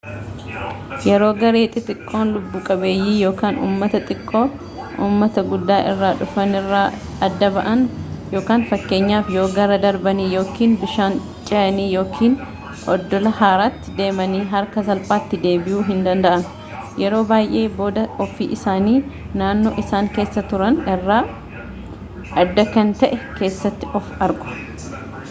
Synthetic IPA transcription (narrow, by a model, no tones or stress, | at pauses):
jɛɾo̞ːɡɐɾe̞ːt̪ʼɪt̪ʼɪkʼːo̞ːnlʊbːuːkʼɐbe̞ːjːiːjo̞ːkaːnṵːmːɐt̪ɐt̪ʼɪkʼːo̞ː | ʔṵːmːɐt̪ɐɡʊd̪ːaːʔɪrːaːᶑʊfɐnɪrːaː | ɐd̪ːɐbɐʔɐnjo̞ːkaːnfɐkːe̞ːɲːaːfjo̞ːɡɐɾɐd̪ɐɾbɐniːjo̞ːkiːnbɪʃaːn | t͡ʃʼɛʔɐniːjo̞ːkʰiːn | ʔɔd̪ːɔlɐhaːɾaːt̪ːɪd̪e̞ːmɐniːɦɐɾkɐsɐlpʼaːt̪ːɪd̪e̞ːbɪjʔuːɦɪnd̪ɐnd̪ɐʔɐn | jɛɾo̞ːbaːjʔe̞ːbo̞ːd̪ɐɔfiːʔɪsaːniː | naːnːoːʔɪsaːŋke̞ːsːɐt̪ʊɾɐnɪrːaː | ɐd̪ːɐkɐnt̪ɐʔɛke̞ːsːɐt̪ːɪʔɔfɐɾɡʊ̥